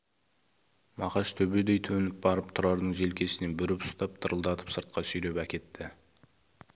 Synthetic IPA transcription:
mɑqɑʃt̪ʰɵbe̞d̪e̞jt̪ʰɵnɪp̚bɑɾəp̚t̪ʰʊɾɑɾd̪əɴʒe̞lkʲʰe̞sɪne̞nbʏɾɪpʊ̥st̪ɑp̚t̪ʰəɾəlˠd̪ɑt̪ʰə̥psəɾt̪̚qɑsʏjɾe̞pækʲe̞t̪ːɪ

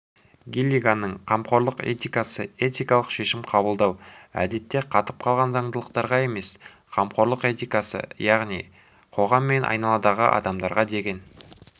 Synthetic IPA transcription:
ɡʲilʲiɡanːəɴqʰɑmqo̞ɾlˠəqe̞̰t̪ijkasəe̞t̪ijkɑlˠəqʃe̞ʃɪmqʰɑbəlˠd̪ɑwæ̰d̪e̞t̪ːe̞qʰɑt̪əp̚qʰɑlˠʁɑnzɑɴd̪əlˠəq̚t̪ɑɾʁɑe̞me̞s | qʰɑmqo̞ɾlˠəqe̞t̪ijkasə̰jɑʁnij | qʰo̞ʁɑmːe̞nʔɑ̰jnɑlˠɑd̪ɑʁə̰ʔɑ̰d̪ɑmd̪ɑɾʁɑd̪e̞ɡʲe̞n

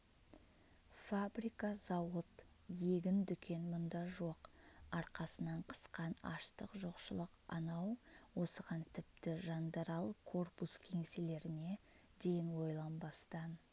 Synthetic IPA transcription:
fabɾijkɑzɑwət̪ | je̞ɡʲɪnd̪ʏkʲe̞nmʊnd̪ɑʒo̞qɑɾqɑsənɑɴqʰə̥sqɑnɑ̰ʃt̪əqʒoqʃəlˠəqɑ̰nɑwwo̞səʁɑnt̪ʰɪp̚t̪ɪʒɑnd̪ɑɾɑlˠkʰo̞rpuskʲʰe̞ŋsele̞ɾɪne̞ | d̪e̞jɪnwo̞jlˠɑnbɑst̪ɑn

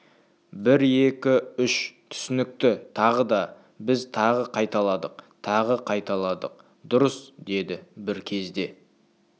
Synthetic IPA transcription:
bɪɾe̞kʲɪʏʃt̪ʰʏ̥sɪnɪk̚t̪ɪt̪ʰɑʁəd̪ɑ | bɪzt̪ʰɑʁəqʰɑjt̪ɑlˠɑd̪əq̚t̪ʰɑʁəqʰɑjt̪ɑlˠɑd̪əq̚ | d̪ʊɾəsd̪e̞d̪ɪbɪɾkʲʰe̞zd̪e̞

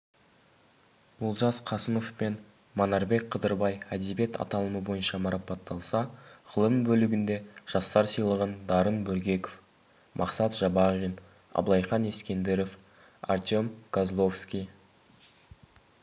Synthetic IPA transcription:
bʊlˠʒɑsqʰɑsəmo̞fpe̞n | monɑɾbe̞k̚qʰəd̪əɾbɑjæd̪ebe̞t̪ʰɑ̰t̪ɑlˠəməbo̞jənʃɑmɑɾɑpɑt̪ːɑlˠsɑʁəlˠəmbɵlɪɡʲɪnd̪e̞ʒ̥ɑst̪ɑɾsəjlˠəʁənd̪ɑɾənbɵɾɡʲe̞kof | mʔɑ̰qsɑt̪ʒ̥ɑbɑʁin | ɑ̰blˠɑjχɑne̞skʲe̞nd̪eɾof | a̰rt̪ʲo̞mɡ̥azlˠo̞fskʲij

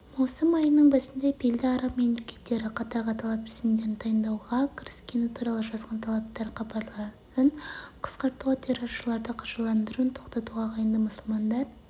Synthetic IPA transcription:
mɑwsəmɑjənəɴbæsɪnd̪epʰeld̪ɪɑɾɑpme̞mle̞kʲe̞̥t̪ːe̞ɾɪqʰɑt̪ɑɾʁɑt̪ʰɑlˠɑpɪsɪmnd̪e̞ɾɪnt̪ʰɑjənd̪ɑwʁɑkʲʰɪɾɪskʲe̞nɪt̪ʰuɾɑlˠəʒɑzʁɑnt̪ʰɑlˠɑp̚t̪ɑɾqɑbɑɾlˠɑ | ɾəɴqʰə̥sqɑɾt̪ːuɑt̪ʰeɾoʃəlˠɑɾd̪əqʰɑʒɑlˠɑnd̪əɾənt̪ʰo̞qt̪ɑt̪uʁɑqʰɑjənd̪əmʊsəlˠmɑnd̪ɑɾ

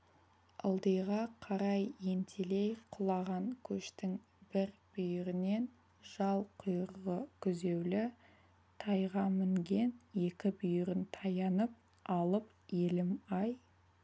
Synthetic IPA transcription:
ɑ̰lˠd̪əjʁɑqʰɑɾɑje̞nt̪ʰele̞jqʰʊlˠɑʁɑŋkʲʰɵʃt̪ɪŋ | b̥ɪɾb̥ʏjɪɾɪne̞n | ʒ̥ɑlˠqʰʊjəɾʁəkʲʰʏze̞wlɪ | t̪ʰɑjʁɑmɪŋɡʲe̞ne̞kʲɪbʏjɪɾɪnt̪ʰɑjɑnəp̚ | ɑlˠəp | elɪmɑj

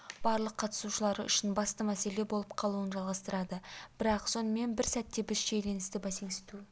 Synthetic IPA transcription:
b̥ɑɾlˠəqʰːɑt̪ə̥suʃəlˠɑɾəʏ̰ʃɪnbɑst̪əmæse̞le̞bo̞lˠəpqʰɑlˠuənʒɑlˠʁɑst̪əɾɑd̪əb̥ɪɾɑqso̞nəme̞nbɪɾsæt̪ːe̞bɪsʃe̞jle̞nɪst̪ɪbæseŋɪst̪u

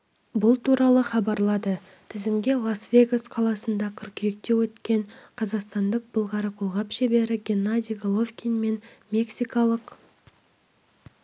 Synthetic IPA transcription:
bʊlˠt̪ʰuɾɑlˠəχɑbɑɾlˠɑd̪ə | t̪ʰɪzɪmɡʲe̞lˠasvʲe̞ɡasqʰɑlˠɑsənd̪ɑkʲʰʏɾkʲʰʏjek̚t̪e̞wɵt̪kʲe̞ɴqʰɑzɑqst̪ɑnd̪əq̚bəlˠʁɑɾəqʰolˠʁɑpʃebe̞ɾɪɡʲenːad̪ʲijɡolˠovkʲinme̞nmʲe̞ksijkɑlˠəq

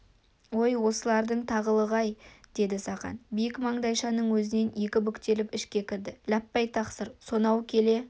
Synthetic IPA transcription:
wo̞jwo̞səlˠɑɾd̪əɴt̪ʰɑʁəlˠəʁɑjd̪̥e̞d̪ɪsɑqɑ̰nbijɪkmɑɴd̪ɑjʃɑnəɴwɵzɪne̞nje̞kʲɪbʏkt̪e̞lɪpɪʃkʲe̞kʲɪɾd̪ɪlæpːɑjt̪ʰɑqsəɾso̞nɑwkʲʰe̞le̞

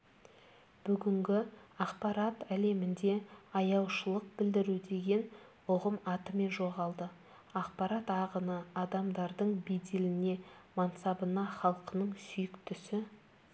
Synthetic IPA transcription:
b̥ʏɡʲɪŋɡʲɪɑqpɑɾɑt̪æle̞mɪnd̪e̞ɑjɑwʃəlˠəq̚bɪld̪ɪɾud̪e̞ɡʲe̞n | ʊʁəmɑt̪əme̞nʒo̞ʁɑlˠd̪ə | ɑq̚pɑɾɑt̪ɑʁənəɑd̪ɑmd̪ɑɾd̪əɴbed̪elɪne̞mɑnsɑbənɑχɑlˠqənəɴsʏjɪkt̪ʏsɪ

